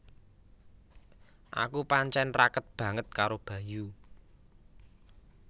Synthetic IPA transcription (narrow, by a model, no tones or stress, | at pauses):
ʔa̰kupaɲt͡ʃɛnrakət̪̚b̥ä̤ŋət̪̚kaɾob̥ä̤ju